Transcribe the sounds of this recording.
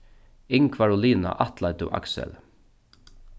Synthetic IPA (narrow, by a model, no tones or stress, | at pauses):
ɪŋkʰvaɹʊliːna̰ʔat̪lajt̪ʊ̰ʔa̰ksɛ̰l